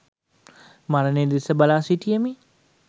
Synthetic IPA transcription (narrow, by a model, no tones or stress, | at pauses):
maɾəned̪isəbalaːsiʈijəmi